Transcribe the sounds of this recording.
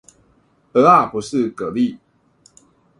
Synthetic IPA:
ə˧˦a˥˩pu˨˦ʂɻ̩˥˨kɤ˧˦li˥˨

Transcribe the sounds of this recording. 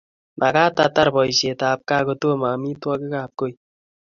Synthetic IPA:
mʔa˨ka˦t̪at̪aɾbɔ˨jse˨t̪a˨p̚ka˦kot̪o˦ma˨mi˦twɔ˦kɪ˦kaː˨p̚ko˦i

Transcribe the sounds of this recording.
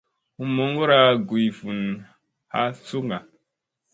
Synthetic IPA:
hu˨mo˦ŋɡo˦ɾa˦ɡu˨i˨fu˨n | ha̰˦su˦ŋɡa˨

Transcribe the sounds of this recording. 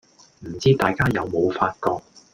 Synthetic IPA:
m̩˨˩t͡siː˥t̪aː˨jkaː˥jɐ˨˧wmo˨˧wfaː˧t̚kɔː˧k̚

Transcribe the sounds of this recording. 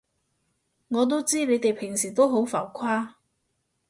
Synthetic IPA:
ŋɔː˨˧t̪̬o˥wt͡siː˥ne˨˧jt̪e˨jpʰɪ˨˩ŋsiː˨˩t̪o˥wɦo˨˥wfɐ˨˩wkʷʰaː˥

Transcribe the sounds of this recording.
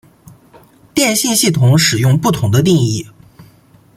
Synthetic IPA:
t̪jɛ˥˧nɕi˥˧nɕi˥˩t̪ʰʊ˧˥ŋʂɻ̩˨˩jʊ˥˧ŋpu˥˩t̪ʰʊ˧˥ŋd̪ə˧t̪̬i˥˧ŋi˥˩

